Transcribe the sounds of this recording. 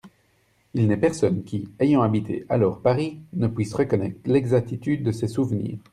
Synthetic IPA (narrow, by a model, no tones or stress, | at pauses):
ilnɛpɛʁsɔnkʲiejɑ̃abit̪ʰḛʔa̰lɔʁpaʁinəpwisʁəkɔnɛ̰t̪χlɛɡzak̚t̪it̪yd̪ːəsɛsuvnḭːʁ